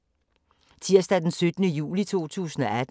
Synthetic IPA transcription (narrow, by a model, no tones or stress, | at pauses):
t͡sʰiɐ̰sd̥æd̥ensød̥ənəjṵːlit͡sʰo̝̰ːt͡sʰṵːsn̩ɒæd̥